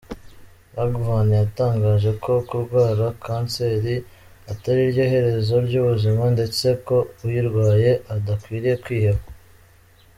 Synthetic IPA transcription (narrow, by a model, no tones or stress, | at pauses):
aɡvanjataːŋɡaːʒe̞kʰo̞kuɾɡwaːɾakʰaːnse̞ːɾi | ataɾiɾɟjo̞ːhe̞ɾe̞zo̞ɾɟuːβuzimande̞t͡se̞ko̞ujiɾɡwaːje̞ʔadakwiːɾije̞kwiːheβa